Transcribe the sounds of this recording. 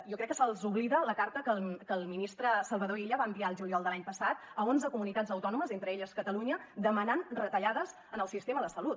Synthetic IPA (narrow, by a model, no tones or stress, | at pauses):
jɔkɾɛkːəsəlˠzuβliðələkaɾt̪əkəlˠkəlˠminist̪ɾəsəlˠβəðoeʎəβambiaəlˠʒuliɔlˠd̪əlaɲpəsat̪əonzəkumunit̪azəwt̪ɔnuməzent̪ɾəeʎəskət̪əluɲəd̪əmənanrət̪əʎaðəz | ənəlˠsist̪eməðəsəlut̪